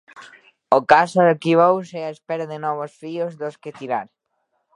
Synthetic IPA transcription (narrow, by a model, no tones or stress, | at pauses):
okasokiβowsɛaespɛɾaðenɔβ̞osfiozðosket̪iɾaɾ